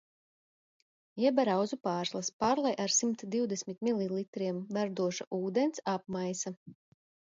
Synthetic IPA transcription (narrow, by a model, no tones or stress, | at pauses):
jɛbaɾawzupaːɾslˠaspaːɾlˠajʔaɾsimt̪d̪iwd̪ɛsʲmʲit̪̚milʲˠilˠit̪ɾiɛmvæɾd̪uɔʃaʔuːd̪ɛnsap̚majsa